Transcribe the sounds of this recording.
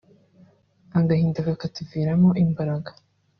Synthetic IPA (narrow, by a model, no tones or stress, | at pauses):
aŋɡahiːndakakatuviːɾamoʔimbaɾaɡḁ